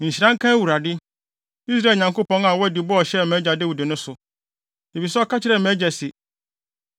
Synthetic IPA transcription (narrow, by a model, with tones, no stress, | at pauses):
ɲ̩˨ɕi˨ɾã˦ŋ̩˦kʰã˦wu˨ɾa˨dɪ˦ | i˦s̬ɾa˦˨ɲã˨ŋko˦pɔ̃˦ŋa˨wɔ˦æ˦di˨˦bʊ˦ɔ˨ɕɛ˦˨mɛ̃˦d͡ʑa˨dɪ˦wu˨dɪ˨nʊ̃˦sʊ˨ | e˨fi˨sɛ˦ɔ˦kʰa˦t͡ɕʰɪ˦ɾɛ˨mɛ̃˨˦d͡ʑɛ˨sɪ˨